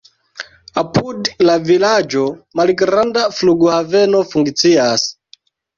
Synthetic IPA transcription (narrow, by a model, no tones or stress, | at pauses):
apʰudlavilad͡ʒo̞malɡɾandafluɡuhave̞no̞fuŋkt͡sias